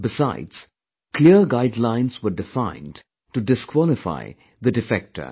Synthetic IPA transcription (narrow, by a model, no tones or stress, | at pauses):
bɪsa̰ɪdz̥ | kʰliəɾɡaɪdlãɪ̃nzwəɖɪfãɪ̃n | tudɪskʰwɔlɪfa̰ɪ | ðədɪfɛk̚tə̰